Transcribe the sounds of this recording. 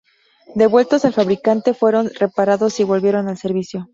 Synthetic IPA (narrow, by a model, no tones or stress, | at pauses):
d̪e̞βwe̞lt̪o̞salfaβɾikant̪e̞fwe̞ɾo̞nre̞paɾaðo̞siβo̞lβje̞ɾo̞nalse̞ɾβisjo̞